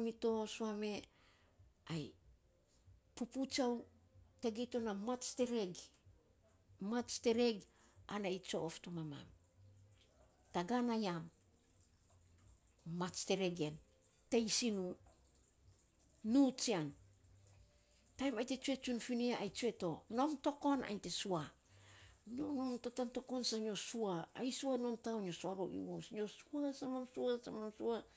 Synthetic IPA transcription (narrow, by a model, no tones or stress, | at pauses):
mito̞suame̞ | aj | puput͡ʃaw | teɡeto̞namat͡ʃte̞ɾeɡ | mat͡ʃte̞ɾe̞ɡ | anait͡ʃo̞ʔoftomama̰m | taɡanajam | at͡ʃte̞ɾeɡen | te̞jsinu | nut͡ʃiaŋ | tajmajte̞t͡ʃue̞t͡ʃunfiniaajt͡ʃue̞to̞no̞mto̞ko̞na̰jnte̞sua | nonomtotanto̞ko̞nsaɲo̞suaːjsuanomtaoɲo̞suaɾoʔḭusɲo̞suasamamsuasamamsua